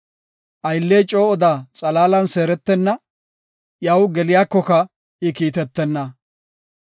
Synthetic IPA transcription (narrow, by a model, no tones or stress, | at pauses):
ʔɐjlːeːt͡ʃʼo̞ːɔd̪aːt͡sʼɐlaːlɐnse̞ːɾɛt̪ːɛnːɐ | jɐwɡɛlɪjaːkːɔkɐ | ʔɪkiːt̪ɛt̪ːɛnːɐ